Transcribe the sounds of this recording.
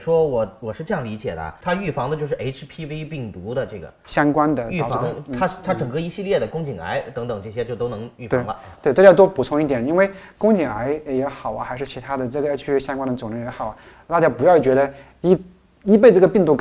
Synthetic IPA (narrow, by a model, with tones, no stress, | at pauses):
ʂwɔ˥wɔ˨˩wɔ˨˩ʂɻ̩˥˧ʈ͡ʂɤ˥˧jɑ˥˩ŋli˧˥t͡ɕjɛ̰˨˩d̪ə̰˦t̪ʰa˥y˥˩fɑ˧˥ŋd̪ə˧t͡ɕjʂɻ̩˥˩ʔe˥ɪʈ͡ʂʰpʰi˥wi˥pi˥˩ŋt̪u˧˥d̪ə˧ʈ͡ʂɤ˥˩ɡə̰˩ɕjɑ˥ŋkwa˥nd̪ə˨y˥˩˨fŋt̪ʰa˥t̪ʰa˥ʈ͡ʂɤ˨˩ŋkɤ˥˩i˧˥ɕi˥˧ljɛ˥˩d̪ə˩kʊ˥ŋt͡ɕi˨˩ŋa̰˧˥ɪt̪ɤ˧˥ŋt̪ɤ˨˩ŋʈ͡ʂɤ˥˩ɕjɛ˥t͡ɕjo˥˩ʊt̪o˥ʊnɤ˧˥ŋy˥˩ft̪e˧˥˩ŋbə̰˧ | t̪we˥˧t̪jt̪wɔ˥pu˨˩t͡sʰʊ˧˥ŋi˥˩jɛ˨˩ni˥nwe˥˩ɪkʊ˥ŋt͡ɕi˨˩ŋa˧˥ɪjɛ˧˥xɑ˨˩ʊɐ̰˦xɪʂɻ̩˥˩t͡ɕʰi˧˥t̪ʰa˥d̪ə˨ʈ͡ʂɤ˥˩ɡə˩e˥ʈ͡ʂʰpʰi˥ɕjɑ˥ŋkwa˥nd̪ə˩t͡sʊ˨˩ŋɻə˥ŋjɛ˧˥xɑ˨˩ʊ˦ | t̪a˥˧t͡ɕja˥pu˧˥jɑ˥˧˩t͡ɕɥɛ˧˥d̪ə˧ | i˥ | i˥p̬e˥˧ɪʈ͡ʂɤ˥˩ɡə˩pi˥˧ŋt̪u˥˩k